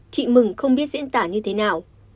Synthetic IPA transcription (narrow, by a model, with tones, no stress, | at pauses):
t͡ɕḭ˧˨mɨ˨˩ŋxə˧wŋ͡mɓi˦˥ət̚zḭ˧˥ənt̪aː˧˩ɲɨ˧t̪ʰe˨˦naː˨˩w